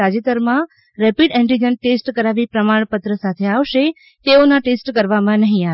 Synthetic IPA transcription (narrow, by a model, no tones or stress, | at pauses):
ad͡ʒet̪əɾmã | ɾɛpiɖɛ̃ɳʈid͡ʒənʈesʈkəɾaʋipɾəmaɳ̃pət̪ɾəsat̪ʰeaʋʃe | t̪eonaʈesʈkəɾʋamãnəɦĩa